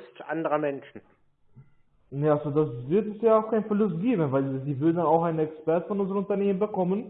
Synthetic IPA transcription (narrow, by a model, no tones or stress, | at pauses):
stʔa̰ndəʁɐmɛnʃn̩ | nealzodasvɪɐtɛsjaːaʊxkʰaɪnfɛɐlʊst̚ɡ̥eːbən̩vaɪldiːvʏɐdn̩danaʊxaɪnənɛkspɛɐtfɔnʔʊnzəʁənʊntɐneːmənbəkɔmən